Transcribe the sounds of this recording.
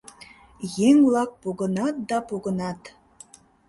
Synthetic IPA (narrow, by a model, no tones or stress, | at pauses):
jeŋvlˠɑk̚poɣənɑt̪̚d̪ɑpoɣə̆nɑt̪